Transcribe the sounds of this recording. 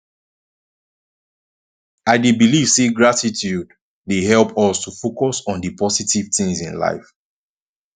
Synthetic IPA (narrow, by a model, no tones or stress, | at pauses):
aɪdebiliv̥seɡɹatitʰjud | deɦɛlˠpɔstufokɔsɔ̃ndəpʰɔsitiv̥tɪ̃ŋzḭ̃nla̰ɪf